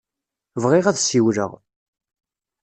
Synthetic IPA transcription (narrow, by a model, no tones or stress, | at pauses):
vʁɪʁæðsiwɾə̰ʁ